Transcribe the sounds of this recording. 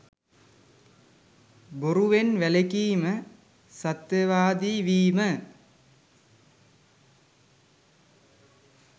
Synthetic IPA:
boɾuʋenʋælekiːmə | sat̪jɐʋaːd̪iːʋiːmə

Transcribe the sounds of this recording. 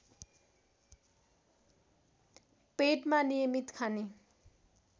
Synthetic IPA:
peʈmanijʌmit̪kʰane

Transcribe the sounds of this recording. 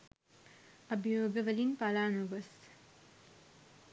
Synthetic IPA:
ɐbijoːɡɐʋɐlinpalaːnuʋɐs

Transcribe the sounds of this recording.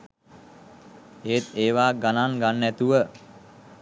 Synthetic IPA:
eːt̪eːʋaːɡananɡanːɛt̪uʋə

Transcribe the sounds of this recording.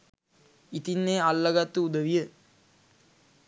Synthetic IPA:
it̪inːeːalːɐɡat̪ːuud̪əʋijə

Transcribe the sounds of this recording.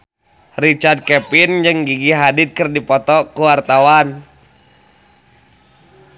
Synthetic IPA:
rit͡ʃard̪̚kɛpind͡ʒɨŋɡiɡiɦadit̪̚kɨrdipɔt̪ɔkuwart̪awan

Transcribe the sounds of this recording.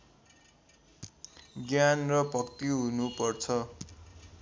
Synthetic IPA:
ɡjanrʌbʌkt̪iɦunupʌrt͡sʰʌ

